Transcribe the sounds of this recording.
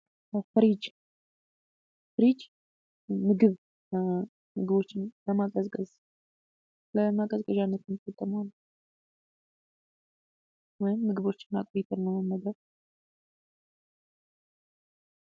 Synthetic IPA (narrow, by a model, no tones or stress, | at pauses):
fɨɾid͡ʒ | fɨɾid͡ʒ | mɨɡɨβ | mɨɡɨβo̞t͡ʃːɪnləmakʼəzkʼəz | ləmakʼəzkʼəʒanːət̪ʰɨnfət̪ʼːəman | wɔjɪmːɨɡɨβo̞t͡ʃːɪ̥nːakʼoɾit̪ʰəɾnəməmːəd̪əɾ